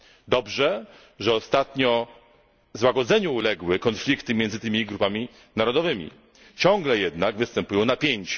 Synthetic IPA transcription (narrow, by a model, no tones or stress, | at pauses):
d̪ɔbʐɛ | ʐɛɔst̪at̪ɲɔ | zwaɡɔd̪zɛɲuːlɛɡwɘkɔnflʲikt̪ɘmʲjɛnd̪zɘt̪ɘmʲiɡɾupamʲi | naɾɔd̪ɔvɘmʲḭ | t͡ɕɔ̃ŋɡlɛjɛd̪naɡvɘst̪ɛmpujɔ̃w̃napʲjeɲt͡ɕ